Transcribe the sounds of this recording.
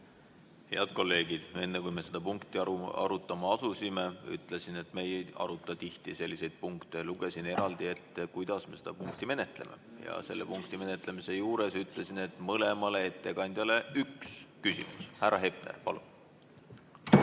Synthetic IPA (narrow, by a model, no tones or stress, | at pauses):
he̞̰ɑd̪̥ko̞lːe̞ːɡ̥id̪̥e̞nːekujme̞se̞d̪̥ɑpuŋkt̪iɑ̰ɾut̪ːˑɑmɑɑsusime̞y̰t̪ˑlesine̞t̪ːˑme̞jeɑ̰ɾut̪ːˑɑt̪iht̪ise̞lːise̞jd̪̥̚puŋkt̪e̞luɡ̥e̞sine̞ɾɑld̪̥ie̞t̪ːkujd̪̥ɑsme̞se̥d̪ɑpuŋkt̪ime̞ne̞t̪ˑle̞̰me̞̰jɑ̰se̞̰lːepuŋkt̪ime̞ne̞t̪ˑle̞mise̞juːɾe̞syt̪ˑle̞sine̞t̪ːˑmɤle̞mɑle̞et̪ːˑe̞kɑnʲd̪̥ʲjɑle̞ykskysḭmushærɾːʔɑɦe̞p̚nḛrpɑlṵn